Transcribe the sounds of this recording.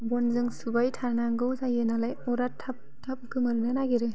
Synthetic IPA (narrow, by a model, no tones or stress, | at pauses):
bɔnzɯŋsubajtʰaɾnaŋɡɯwzajɯnalajɔɾatʰːap̚ | tʰap̚ɡɯmɯɾɯnɯnaɡeɾe